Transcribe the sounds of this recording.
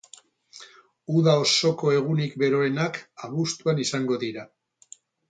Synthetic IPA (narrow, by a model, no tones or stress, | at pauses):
uðao̞so̞ko̞e̞ɣ̞unikbe̞ɾo̞e̞nakaβust̪uanisaŋɡo̞ðiɾa